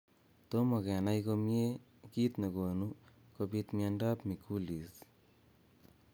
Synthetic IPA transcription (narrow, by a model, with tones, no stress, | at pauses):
to˦mo˨kɛ˨na˦jko˧mje˦ | ki˦t̪ne˨ko˨nu˦ | ko˧pi˧t̪mie˧nda˦pmi˨kʰu˦li˨s